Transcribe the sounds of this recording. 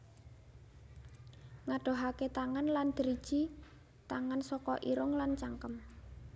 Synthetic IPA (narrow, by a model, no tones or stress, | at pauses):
ŋaɖ̥o̤ɦaket̪aŋanland̪̥əɾid̥ʒ̥i | t̪aŋansɔkɔ̰ʔiɾʊŋlant͡ʃaŋkəm